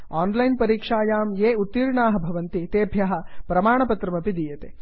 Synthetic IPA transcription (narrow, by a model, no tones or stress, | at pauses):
aːnlɐjnpɐɾiːkʂaːjaːmjeːut̪ːiːɾɳaːɦɐbʱɐʋɐnt̪it̪eːbʱjaɦɐ̆pɾɐmaːɳɐpɐt̪ɾɐmɐpid̪ijɐt̪eː